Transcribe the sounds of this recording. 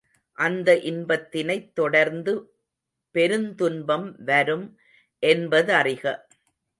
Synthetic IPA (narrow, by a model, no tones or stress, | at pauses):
ʔɐnd̪ɐʔɪnbɐt̪ːɪnɐɪt̪ːɔɽɐɾnd̪ɯ | pɛɾɯnt̪ʊnbɐmʋɐɾɯm | ʔɛnbɐðɯɐrɪɣɐ